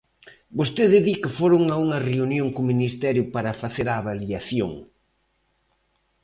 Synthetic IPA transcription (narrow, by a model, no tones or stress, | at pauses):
bost̪eðɪðikɪfoɾʊŋauŋɐreunjoŋkʊminist̪ɛɾjʊpaɾɐfaθeɾaːβaliaθjoŋ